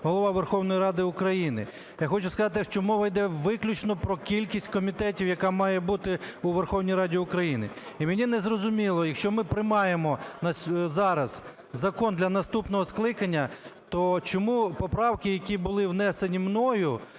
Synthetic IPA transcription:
ɦɔlˠɔʋɑʋerxɔwnɔjiɾɑd̪ɪʊkɾɐjinɪ̰ | jaxɔt͡ʃʊskɐzɑt̪ɪʃt͡ʃɔmuʋɪjd̪ɛʋɪklʲʊt͡ʃnɔpɾɔkʲilʲkʲisʲtʲkɔmʲit̪ɛtʲiwjɐkɑmɑjɛbut̪ɪuʋerxɔwnʲijɾɑdʲiʊkɾɐjinɪ | imenʲinɛzrɔzʊmʲilˠɔjɐkʃt͡ʃɔmɪpɾɪmɑjemɔnɐsʲzɑɾɐz | zɐkɔnd̪lʲɐnɐst̪upnɔɦɔsklˠɪkɐnʲːɐt̪ɔt͡ʃɔmupɔpɾɑwkɪjɐkʲibʊlˠɪwnɛsenʲimnɔjʊ

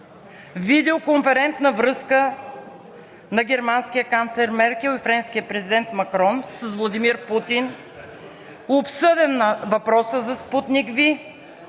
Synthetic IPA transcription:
vid̪ɛokoɱfɛɾɛnt̪nəvɾɤskə | nɐɡɛɾmanskʲijəkant̪slɛɾmɛɾkɛlˠifɾɛnskiəpɾɛzid̪ɛnt̪mɐkɾɔnsəsvlˠɐd̪imiɾput̪in | opsɤd̪ɛnːɐvɐpɾɔsəzɐsput̪nikvi

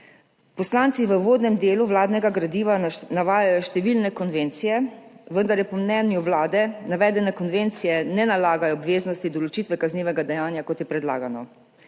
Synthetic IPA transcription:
pɔslaːnt̪siʋəʋoːd̪nɛmd̪eːluʋlaːd̪nɛɡaɡɾad̪iːʋanaʋaːjajɔʃt̪ɛʋiːlnɛkɔnʋeːnt̪sijɛʋənd̪aɾjɛpɔmnɛːnjuʋlaːd̪ɛnaʋɛːd̪ɛnɛkɔnʋent̪sijɛnɛnalaːɡajɔːbʋeːznɔst̪id̪ɔlɔt͡ʃiːt̪ʋɛkazniːʋɛɡad̪ɛjaːnjakɔt̪jɛpɾɛd̪la̰ːɡanɔ

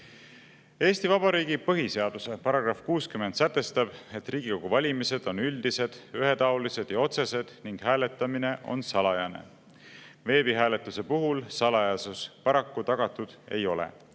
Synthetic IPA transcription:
e̞ːst̪ivɑb̥ɑɾiːɡ̥ipɤɦise̞ɑd̪̥usepɑɾɑɡrɑfkuːskymend̪sæt̪ːˑe̞st̪ɑb̥e̞t̪ːriːɡ̥iko̞ɡ̥uvɑlʲimise̞d̪̥o̞nyld̪̥ise̞d̪̥yɦe̞t̪ɑolise̞d̪̥jɑo̞t̪se̞se̞d̪̥niŋɡ̥hæːle̞t̪ːˑɑmine̞ʔo̞̰nsɑlɑjɑne̞̰ | ve̞ːb̥iɦæːle̞t̪ːˑuse̞puɦulsɑlɑjɑsuspɑɾɑkːut̪ɑɡ̥ɑt̪ːˑud̪̥e̞̰jo̞lḛ

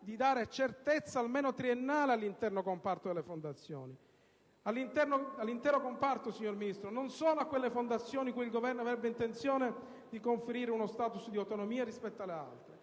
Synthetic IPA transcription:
d̪id̪aːɾet͡ʃert̪et̪sːaːlmeːnot̪ɾienːaːlealːint̪ɛrnokompart̪od̪elːefond̪at̪sːjo̰ːni | alːint̪ɛrnoalːint̪ɛːɾokompart̪osiɲːorminist̪ɾononsɔːnoakːwelːefond̪at̪sːjoːnikujilɡovɛrnoavɾɛbːeint̪ent̪sjoːne | d̪ikoɱfeɾiːɾeunost̪aːt̪usd̪iawt̪onomiːarispɛt̪ːalːea̰lt̪ɾe

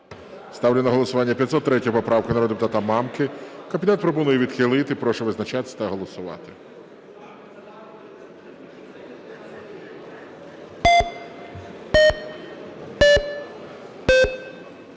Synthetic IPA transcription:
st̪ɑwlʲɪnɐɦɔlˠɔsʊʋɑnʲːɐpʲjɐt̪sɔt̪ːɾɛtʲɔjpɔpɾɑʋkɪnɐɾɔd̪d̪pʊt̪at̪ɐmɑmkɪkɐmbʲinɛt̪̚pɾɔpɔnujɛʋʲid̪̥xɪlˠɪt̪ɪpɾɔʃɛʋɪznɐt͡ʃat̪ɪ̥sʲɐ̥t̪ɐɦɔlˠɔsʊʋɑ̰t̪ɪ̥

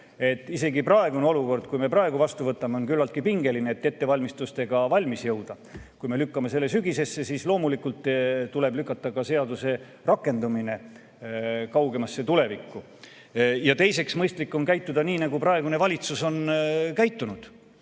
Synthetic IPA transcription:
e̞t̪ːˑise̞ɡiprɑeɡuneo̞luko̞rd̪̥kujme̞prɑe̞ɡ̥uvɑst̪uvɤt̪ːˑɑmeo̞nkylːɑlt̪̚kipiŋɡe̞lineet̪ːet̪ːe̞vɑlʲmist̪ust̪e̞ɡ̥ɑvɑlʲmisjɤwd̪̥ɑ | kujme̞lykːɑme̞se̞lːe̞syɡise̞sːe̞siːslo̞ːmulikult̪ːˑt̪ule̞blykːˑɑt̪ːˑɑkɑse̞ɑd̪use̞ | rɑkːˑe̞nd̪umine̞ | kɑwɡe̞mɑsːe̞t̪ule̞vikːu | jɑt̪e̞jse̞ksmɤjst̪likːo̞nkæjt̪ːˑud̪ɑniːnɑɡuprɑeɡune̞vɑlʲit̪suso̞nkæjt̪ːunud̪̥

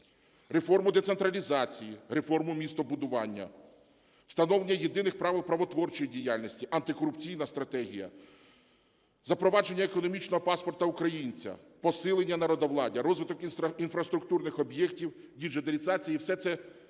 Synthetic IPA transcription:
ɾefɔrmʊd̪et̪sent̪ɾɐlʲizɑt͡sʲijire̞fɔrmʊmʲist̪ɔbʊd̪ʊʋɑnʲːɐ̰ | w̥st̪ɐnɔʋlenʲːɐjed̪ɪnɪxpɾɑʋɪlˠpɾɐʋɔt̪ʋɔrt͡ʃɔjidʲijalʲnʲisʲtʲiʔɐnt̪ɪkɔɾʊpt͡sʲijnɐst̪ɾɐt̪ɛɦʲijɐ̰ | zɐpɾɔʋɑd͡ʒe̞nʲːɐekɔnɔmʲit͡ʃnɔɦɔpɑspɔrt̪ɐʊkɾɐjinʲt͡sʲɐ̰ | pɔsɪlˠenʲːɐnɐɾɔd̪ɐʋlˠɑdʲiɾɔzʋɪt̪ɔkinfɾɐst̪ɾʊkt̪urnɪxɔbjɛktʲiwdʲiʒed̪elʲizɑt͡sʲijiwsɛt̪sɛ

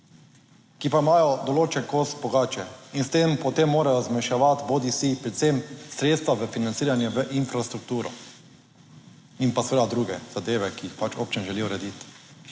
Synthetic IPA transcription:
kipaimaːjɔd̪ɔloːt͡ʃɛnkosbɔɡaːt͡ʃɛinst̪empɔt̪emːoːɾajɔzmɛʃaʋat̪bod̪isipɾɛt̪semsɾeːt̪st̪ʋazəfinant̪siːɾanjɛʋəʔinfɾast̪ɾuk̚t̪uːɾɔ̰ | inpasʋəd̪ad̪ɾuːɡɛz̥ad̪eːʋɛkiixpat͡ʃo̰ːp̚t͡ʃɛnʒɛliɔɾɛd̪it̪

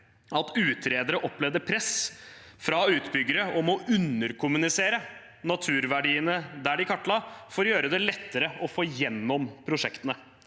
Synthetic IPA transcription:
ɑt̪ʉːt̪ʰɾeːd̪əɾəʔɔpːlɛʋd̪əpʰɾɛs | fɾɑʉːt̪bʏɡːəɾəɔmɔʔʉnːəɾkʰʊmʉnɪseːɾə | nɑt̪ʰʉːɾʋæɖiːənəd̪æɖɪkʰɑʈːlɑːfoːɾjøːɾəd̪ɛlɛt̪ːəɾəɔfoːjɛnːɔmpʰɾʊʂɛkt̪ənə

